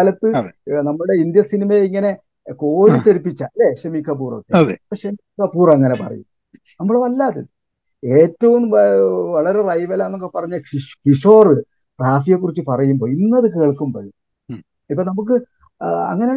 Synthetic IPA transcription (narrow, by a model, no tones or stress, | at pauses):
alɐt̪ːɨenɐmːuɽe̞ind̪jɐsinimɐjiŋːɐne̞ | ko̞ːɾit̪ːeɾipːit͡ɕːa̰ːleɕemiːkʰːɐp̬ːuːro̰kːeðeipːoːɕemikːɐpːuːrɐŋːɐne̞pɐ̰rɐ̰jṵm | nɐmːuɭʋɐlːaːðɐðɨ | e̞ːtːɐʋumʋɐɭɐɾe̞rɐjʋɐlaenːokːepɐrɐɲːɐikiʂo̞ːrɨ | ʈraːfijekːurit͡ɕːɨpɐrɐjumbo̞ːinːɐðɨkeːɭkːumbo̰ːɻu | ipːoːnɐmuk̬ːɨ | ɐ̰ŋːɐne